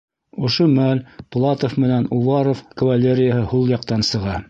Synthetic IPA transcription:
ŏʃomælplˠɑt̪ofmɘ̆nænuvɑɾofkɐvalʲeɾʲɪjəhɤhulˠjɑqt̪ɑnsɤ̆ʁɑ

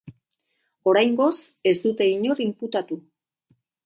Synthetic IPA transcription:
o̞ɾajŋɡo̞se̞zd̪ut̪e̞iɲo̞rimput̪at̪u

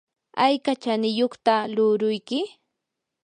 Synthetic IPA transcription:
ajkat͡ʃanɪjoχt̪alʊɾʊjkɪ

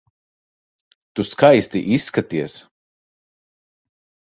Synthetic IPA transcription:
t̪uskajst̪iʔisːkat̪iɛs

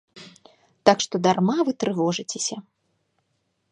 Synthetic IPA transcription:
t̪akʂt̪ɔd̪armavɨt̪ɾɨvɔʐɨt͡sʲesʲɐ

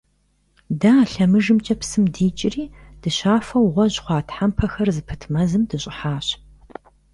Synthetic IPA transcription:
daːɬɐmɨʒɨmt͡ʃʼɐpsɨmdiːt͡ʃʼɪriːd̥ɨɕaːfɐwʁʷɔʑχʷɑːtħampʰɐxɐrzɨpʰɨtʰmɐzɨmdɨɕʼɪħaːɕ

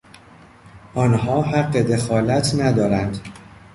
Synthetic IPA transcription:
ʔɒnhɒːɦæɢːe̞d̪e̞xɒːlæt̪ʰnæd̪ɒːɾænd̪

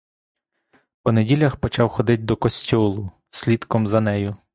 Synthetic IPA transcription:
pɔnedʲilʲɐxpɔt͡ʃɑwxɔd̪ɪt̚ʲd̪ɔkɔsʲtʲɔlˠʊ | sʲlʲit̪kɔmzɐnɛjʊ

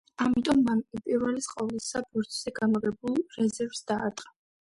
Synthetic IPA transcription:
amit̪ʼɔmːankʼipʼiɾvɛlisqʼavlisabuɾt̪ʰʼz̥ɛɡamɔʁɛbulˠɾɛzɛɾvsd̪aːɾt̪ʼqʼa

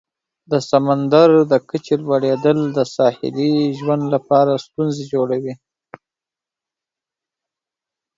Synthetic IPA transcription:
d̪əsamand̪aɾd̪əkət͡ʃelwaɽed̪əld̪əsɑhɪ̰liʒwand̪lapɑɾast̪unzed͡ʒoɽawi

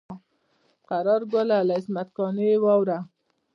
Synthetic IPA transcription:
qaɾɑɾɡʊlalaɪsmat̪kɑnewɑwɾa

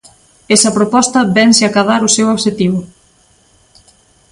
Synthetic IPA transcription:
esɐpɾopɔst̪ɐbɛnseakaðaɾusewoβʃet̪iβʊ

